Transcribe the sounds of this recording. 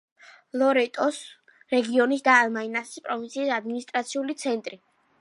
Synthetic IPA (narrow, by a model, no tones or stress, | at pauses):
lˠɔɾɛt̪ʼɔs | ɾɛɡiɔnisd̪aːlmainasi̥spʼɾɔvint̪sʰiːsad̪minist̪ʼɾat̪sʰiulit̪sʰɛnt̪ʼɾi